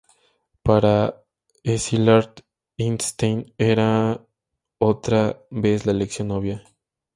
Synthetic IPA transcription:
paɾa | esilaɾt̪ | inst̪ejneɾa | ot̪ɾaβeslaeleksjonːoβja

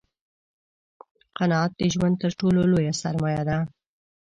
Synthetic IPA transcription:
qanɑɑt̪̚d̪əʒwand̪̚t̪əɾʈololojasaɾmɑjad̪a

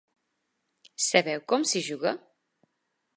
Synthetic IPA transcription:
səβɛwkɔmsiʒuɣə

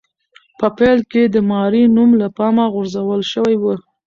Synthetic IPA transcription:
pəpɛlked̪əmɑɾinumlapɑmaɣʊɾzawəlʃəwajwə

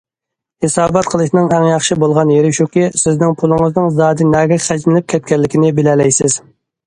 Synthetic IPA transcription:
hesɑːbɑt̪̚qʰəlˠɨʃnɨŋɛŋjɑχʃibolˠʁɑnjeɾɪʃukʲisɪznɪŋpʰulˠɨŋəznɨŋzɑːd̪ɨnɛɡʲɛχæd͡ʒmɪlɪp̚kʲʰɛt̪̚kʲɛlːɪkʲinɪbɪlɛlɛjsɪz̥

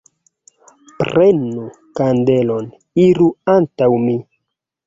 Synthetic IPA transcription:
pɾʔenu | kande̞lo̞n | iɾuantawmi

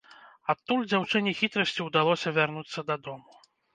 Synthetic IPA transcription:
at̪ːulʲd͡zʲawt͡ʂɨnʲixʲit̪ɾɐsʲt͡sʲiwd̪alˠɔsʲɐvʲarnut̪sːɐd̪ɐd̪ɔmu

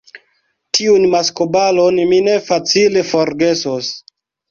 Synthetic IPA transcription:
tiunmaskobalonmine̞fat͡sile̞fo̞ɾɡe̞sos

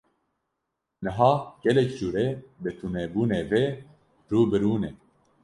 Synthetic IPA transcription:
nɨɦɑːɡ̥ɛlɛkd͡ʒuːɾebɨt̪ʰunɛbuːneːve | ɾuːbɨɾuːneː

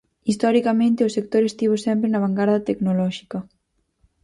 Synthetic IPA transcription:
ist̪ɔɾikɐmẽnt̪eosek̚t̪oɾest̪iβ̞osɛmpɾenɐβ̞aŋɡaɾðɐt̪eknolɔʃi̥kɐ

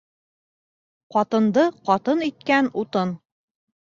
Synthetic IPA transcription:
qɒt̪ɤ̆nd̪ɤqɒt̪ɤnit̪̚kænut̪ɤn

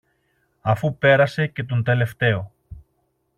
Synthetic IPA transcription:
ɐfupe̞ɾɐse̞ce̞t̪o̞nd̪e̞le̞ft̪e̞o

